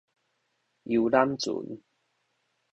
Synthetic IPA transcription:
ji˧wla˦˥mt͡sṵ˨˩˦n

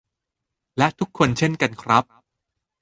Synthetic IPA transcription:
lɛ˦˥t̪ʰu˦˥kʰːo˧nt͡ɕʰe˥˩nka˧nkʰɾa˦˥p̚

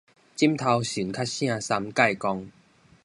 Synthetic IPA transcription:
t͡ɕi˦˥mt̪ʰa˧wɕi˨˩˦nkʰa˦˥t̚ɕj̃ã˥˧sa˧mka˥˧˨jkɔ˧ŋ

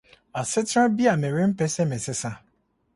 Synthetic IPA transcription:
a˨sɪ˦tɾã˦bi˦a˨me˨ɾi˦m̩˦pɛ˦sɛ˦me˨sɪ˦sa˦

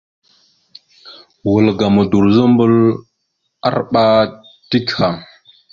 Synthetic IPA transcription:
wə˨lɡa˨mə˨du˨ɾzə˦m˦bə˦l | a̰˦ɾɓa˦ | ti˦kha˨

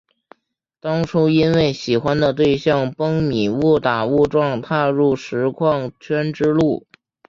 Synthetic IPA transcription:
t̪ɑ˥ŋʈ͡ʂʰu˥i˥nwe˥˩ɪɕi˨˩xwa˥nd̪ə˨t̪we˥˧ɪɕjɑ˥˩ŋpɤ˥ŋmi˨˩wu˥˩t̪a˨˩u˥˧ʈ͡ʂwɑ˥˧ŋt̪ʰa˥˧ɻu˥˩ʂɻ̩˧˥kʰwɑ˥˧ŋt͡ɕʰɥɛ˥nʈ͡ʂɻ̩˥lu˥˩

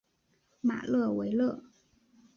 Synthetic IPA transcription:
ma̰˨˩lɤ˥˩we˧˥ɪlɤ˥˩

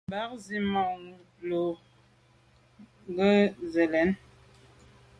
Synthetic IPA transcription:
ba˦k̚zi˦ma˨ŋu˨ | lo˨ | ŋ˦ɡə˦zɛ˨lɛ˨˦n

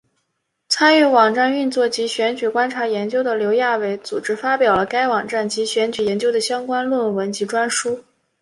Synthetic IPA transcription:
t͡sʰa˥ny˥˩wɑ˨˩ŋʈ͡ʂa˥˧ny˥˧nt͡swɔ˥˩t͡ɕi˧˥ɕɥɛ˧˥nt͡ɕy˨˩kwa˥nʈ͡ʂʰa˧˥jɛ˧˥nt͡ɕjo˥ʊd̪ə˨ljo˧˥ʊja˥˩we˧˥ɪt͡su˨˩ʈ͡ʂɻ̩˥fa˥pjɑ˨˩ʊlə˦ka˥ɪwɑ˨˩ŋʈ͡ʂa˥˩nt͡ɕi˧˥ɕɥɛ˧˥nt͡ɕy˨˩jɛ˧˥nt͡ɕjo˥ʊd̪ə˨ɕjɑ˥ŋkwa˥nlwə˥˩nwə˧˥nt͡ɕi˧˥ʈ͡ʂwa˥nʂu˥

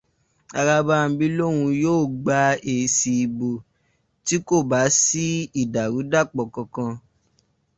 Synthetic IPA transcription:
a˧ɾa˧ba˧˦˧bi˦lõ˦ũ˧joː˦˨ɡ͡ba˧e˨si˧i˨bo˨ | ti˦ko˦˨ba˨˦si˦i˦˨da˨ɾu˨˦da˦˨k͡pɔ˨kɔ̃˨˧kã˧

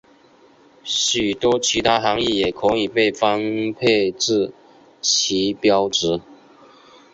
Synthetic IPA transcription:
ɕy˨˩t̪wɔ˥t͡ɕʰi˧˥t̪ʰa˥xɑ˧˥ŋi˥˩jɛ˨˩kʰɔ˧˥ŋi˨˩pe˥˩ɪfɑ˥˦ŋpʰe˥˧ɪʈ͡ʂɻ̩˥˩ | t͡ɕʰi˧˥pjɑ˥ʊʈ͡ʂɻ̩˧˥˦

